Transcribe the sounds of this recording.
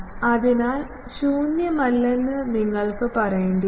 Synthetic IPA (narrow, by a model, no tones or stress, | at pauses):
ɐðinaːl | ɕuːnjɐmɐlːɐnːɨniŋːɐɭkɨpɐrɐjeɳɖu